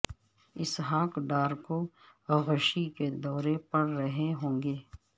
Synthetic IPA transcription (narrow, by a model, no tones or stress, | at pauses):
ɪsɦaːkɖaːɾkoɣʊʃiked̪ɔːɾepɐɽɾəɦeɦõːŋɡeː